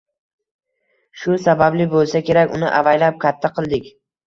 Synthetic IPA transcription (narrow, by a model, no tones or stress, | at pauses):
ʃʊsabablɪbolˠsakʲʰe̞ɾakʲʊ̰nɪʔavajlap̚kʲʰat̪ʰːaqʰɨlˠd̪ɪkʲ